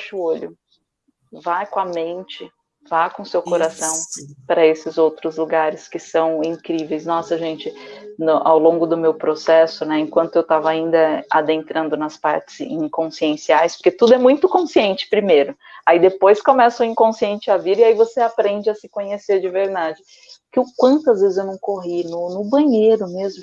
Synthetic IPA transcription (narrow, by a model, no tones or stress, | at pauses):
ʃʊoʎʊ̰ | vajkõɐmẽnt͡ʃɪ | vajkõʊsewkoɾasɐ̃w̃pɾɐesɪzowt̪ɾʊzluɡaɾɪskɪsɐ̃w̃ĩŋkɾivejsnɔsɐʒẽnt͡ʃɪnʊʔawlõɡʊd̪ʊmewpɾosɛsʊnɛẽŋkwɐ̃nt̪ʊewt̪avɐaĩnd̪ɐad̪ẽnt̪ɾʔɐ̃nd̪ʊnɐspa̰ɾt͡ʃɪ̥z̥ḭ̃ŋkõsiẽsiajspoɾket̪ud̪ʊɛmũj̃t̪ʊkõsiẽnt͡ʃɪ̥pɾimejɾʊ | aid̪epojskomɛsʊĩŋkõsiẽnt͡ʃɪaviɾɪaivoseapɾẽnd͡ʒɪɐsɪkõɲeseɾd͡ʒɪveɾd̪ad͡ʒɪ | kɪʊkwɐ̃nt̪ʊazvezɪzewnɐ̃w̃koɦinʊnʊbɐ̃ɲejɾʊmezmʊ